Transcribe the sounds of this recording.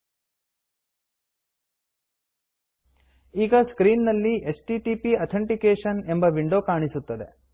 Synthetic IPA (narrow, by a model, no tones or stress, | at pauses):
iːɡɐskɾiːnːɐlːiesʈiʈiːpiɐt̪ʰeɳʈikeːʂɐne̞mbɐʋiɳɖo̞ːkaːɳisut̪ːɐd̪e̞̰